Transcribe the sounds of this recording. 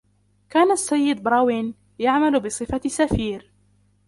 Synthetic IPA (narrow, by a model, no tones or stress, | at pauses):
kaːnasːajːɪd̪̚bɾˤɑːwin | jaʕmalbɨsˤɨfasafiːɾ